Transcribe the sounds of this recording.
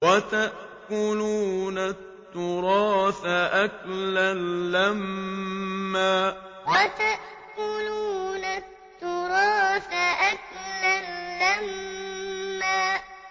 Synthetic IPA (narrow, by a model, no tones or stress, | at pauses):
wat̪aʔʔ | kʊluːnat̪ːʊɾˤɑːfaʔaklalːamː | aː | wat̪aʔ | kʊluːnat̪ːʊɾˤɑːfaʔak̚lalːamː | aː